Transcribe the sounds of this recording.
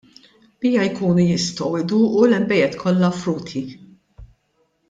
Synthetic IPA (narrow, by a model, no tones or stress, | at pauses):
b̥ijɐjkuːnujɪst̪ɔwɪd̪uːʔulɛmbɛjɛt̪kʰɔlːɐfɾuːt̪ʰi